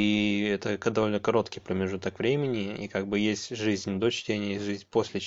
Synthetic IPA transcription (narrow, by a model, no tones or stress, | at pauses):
iɛt̪əkd̪ɐvo̞lʲnəkɐɾo̞t̪kʲɪjpɾəmʲɪʐut̪əkvɾʲemʲɪnʲɪḭkaɡ̚bɨjesʲtʲʐɨzʲnʲd̪o̞t͡ɕtʲenʲɪjəʐɨzʲnʲpo̞sʲlʲɪ